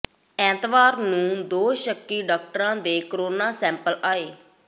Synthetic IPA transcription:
ɛ̃ːt̪ʋaːɾnũːd̪oːʃəkːiːɖaːk̚ʈəɾãːd̪eːkəɾoːnaːsɛ̃ːmpəlaːeː

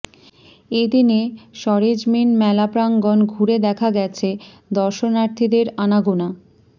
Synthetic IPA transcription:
ed̪ineʃɔɾed͡ʑminmɛlapɾaŋɡɔnɡʱuɾed̪ɛkʰaɡɛt͡ɕʰe | d̪ɔɾʃonaɾt̪ʰid̪eɾanaɡona

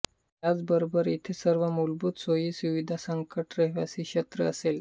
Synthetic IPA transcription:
ɦjad͡zbəɾobəɾit̪ʰesəɾʋəmulbut̪sojiːsuʋid̪ʱasəŋkəʈɾeɦʋasiːɕət̪ɾəəsel

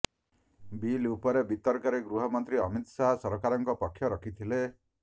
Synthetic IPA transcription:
bilupɔɾebit̪ɔɾkaɾeɡɾuɦɔmɔnt̪ɾiɔmit̪saɦasɔɾɔkaɾɔŋkɔpɔkʰːjɔɾɔkʰit̪ʰile

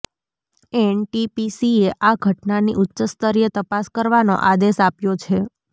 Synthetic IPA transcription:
eɳʈipisieʔaɡʱəʈnaniʔʊtːʃəst̪əɾijət̪əpaskəɾʋano̰ʔad̪eʃapjot͡ʃʰe

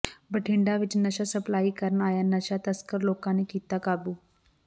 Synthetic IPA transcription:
bəʈʰiɳɖaʋit͡ʃnəɕasəplaːikəɾəɳaːjanəɕat̪əskəɾloːkãnekiːt̪akabuː

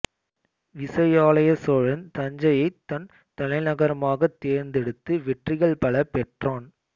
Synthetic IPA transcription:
ʋɪsɐjaːlɐjɐsɔɻɐnt̪ɐɲd͡ʒɐjɐɪt̪ːɐn | t̪ɐlɐɪnɐɣɐɾɐmaːɣɐt̪ːeːɾnd̪ɛɽɯt̪ːɯʋɛʈrɪɣɐɭpɐɭɐpɛʈraːn

